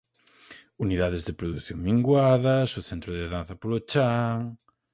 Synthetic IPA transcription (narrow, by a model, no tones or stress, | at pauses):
uniðaðezðɪpɾoðuθjõŋmiŋɡwaðɐsoθeɛnt̪ɾoðeðãnθɐpolot͡ʃaŋ